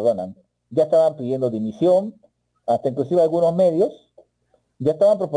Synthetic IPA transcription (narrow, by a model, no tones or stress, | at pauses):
ðona̰n | ɟ͡ʝaest̪aβampiðje̞nd̪o̞ðimisjo̞n | ast̪aiŋklusiβealɣuno̞zme̞ðjo̞s | ɟ͡ʝaest̪aβampɾopo